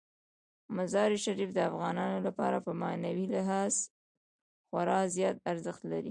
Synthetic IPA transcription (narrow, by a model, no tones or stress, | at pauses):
mazɑɾiʃaɾifd̪əafɣɑnɑnolapɑ̰ɾapəmɑnawilɪɦɑz | xwaɾɑzjɑt̪̚aɾzəxt̪laɾi